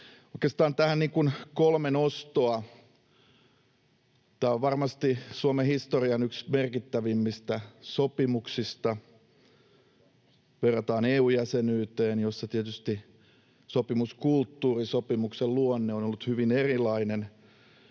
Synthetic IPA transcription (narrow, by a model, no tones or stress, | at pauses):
oikest̪ɑːnt̪æhænniːŋkunkolmenost̪oɑ | t̪æːoʋʋɑrmɑst̪isuomehist̪oriɑnyksmerkit̪ːæʋimːist̪æsopimuksist̪ɑ | ʋerːɑt̪ɑːneːuːjæsenyːt̪eːnjosːɑt̪iɛt̪yst̪i | sopimuskult̪ːuːrisopimukselluonːeonolːut̪hyʋinerilɑinen